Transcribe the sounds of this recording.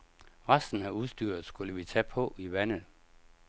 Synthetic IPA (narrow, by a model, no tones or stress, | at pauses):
ʁɑsd̥n̩æuðˠsd̥yːɐð̩ˠsɡ̥uləʋit͡sʰæpʰɔ̽iʋænə